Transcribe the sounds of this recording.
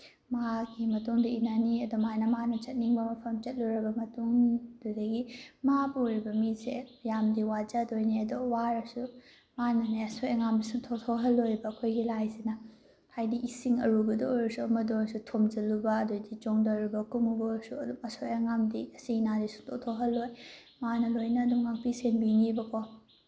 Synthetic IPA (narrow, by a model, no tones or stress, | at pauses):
mɐaɡimɐtuŋdiinaniɐdumanɐmanɐt͡ʃɐt̚niŋbɐmɐpʰɐmt͡ʃɐt̚luɾɐbɐmɐtuŋdudɐɡimapuɾibɐmisejamdiwad͡ʒɐdojniɐdowaɾɐsu | manɐnaɐsojɐŋamdisutʰotʰoɦɐlojbɐːkʰojɡilajzinɐ | hajdiʔisiŋɐ̰ɾubɐdoɾɐsuɐmɐdoɾɐsutʰomd͡ʒɐlubɐːdodid͡ʒoŋdɐɾibɐkumubɐsuɐdumɐsojɐŋamdiɐsinadisu̥tʰotʰoɦɐlːoj | manɐlojnɐːdumŋak̚pisenbiŋibɐkʰɔ